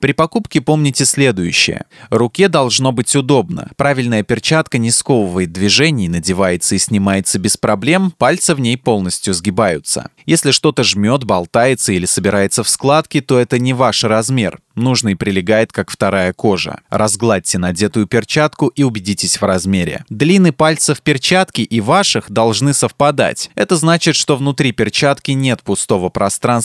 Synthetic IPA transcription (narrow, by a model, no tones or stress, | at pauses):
pɾʲɪpɐkupkʲɪpo̞mnʲɪtʲɪsʲlʲe̞d̪ʊjʉ̰ɕːɪ̰jə̰rʊkʲed̪ɐlˠʐno̞bɨtʲʊd̪o̞bnə̰pɾavʲɪlʲnəjəpʲɪrt͡ɕat̪kənʲɪsko̞vəvəjɪt̪̚d̪vʲɪʐɛnʲɪjnədʲɪvajɪt̪səisʲnʲɪmajɪt̪səbʲɪspɾɐblʲe̞mpalʲt̪səvnʲejpo̞lˠnəsʲtʲjʊzɡʲɪbajʊ̰t̪sə̰jesʲlʲɪʂt̪o̞t̪əʐmʲo̞t̪bɐlˠt̪ajɪt̪səilʲɪsəbʲɪɾʔajɪt̪səfsklˠat̪kʲɪt̪o̞ɛt̪ənʲɪvaʂrɐzmʲe̞rnuʐnɨjpɾʲɪlʲɪɡajɪt̪kakft̪ɐɾajəko̞ʐə̰rɐzɡlˠat̚ʲtʲɪnɐdʲe̞t̪ʊjʊpʲɪrt͡ɕat̪kʊʔiʊbʲɪdʲitʲɪsʲvrɐzmʲeɾʲɪ̰d̪lʲinːɨpalʲt̪səfpʲɪrt͡ɕat̪kʲɪʔivaʂɨxd̪ɐlˠʐnɨsəfpɐd̪a̰tʲɛt̪əznat͡ɕɪt̪ʂt̪o̞vnʊt̪ɾʲipʲɪrt͡ɕat̪kʲɪnʲe̞t̪pʊst̪o̞vəpɾɐst̪ɾans